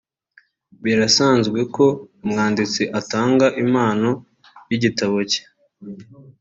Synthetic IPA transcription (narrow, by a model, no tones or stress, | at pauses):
βiɾasaːnzɡwe̞ko̞mŋaːndit͡siʔataːŋɡaʔimaːno̞ | jiɟitaβoce̥